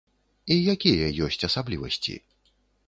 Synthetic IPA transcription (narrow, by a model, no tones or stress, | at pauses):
ijakʲijɐjɔsʲt͡sʲɐsablʲivɐsʲt͡sʲḭ